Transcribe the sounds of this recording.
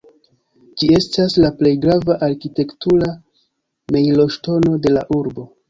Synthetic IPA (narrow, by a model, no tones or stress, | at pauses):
d͡ʒie̞staslaple̞jɡɾavaʔaɾkite̞ktuɾa | me̞jlo̞ʃto̞no̞de̞laʔuɾbo